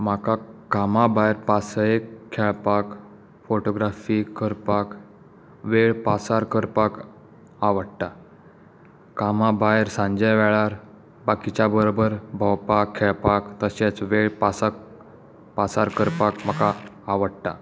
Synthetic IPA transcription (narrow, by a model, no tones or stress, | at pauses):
m̤akakamabajɾpasjekʰːɛɭpak | foʈoɡɾafikəɾpak | ʋeɭpasaɾkəɾpak | aʋəɽʈa | kamabajɾsãɲd͡ʑəjʋɛɭaɾ | bakit͡ɕjabəɾobəɾbʱəwpakʰːɛɭpakt̪əɕet͡sʋeɭpasak | pasaɾkəɾpakmakaː | ʋəɽʈ̪a